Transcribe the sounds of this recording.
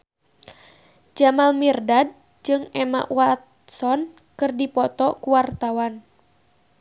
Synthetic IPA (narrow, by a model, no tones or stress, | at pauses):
d͡ʒamalmirdad̚ | d͡ʒɨŋɛma̰ʔwat̪ | sɔn | kɨrdipɔt̪ɔkuwart̪awan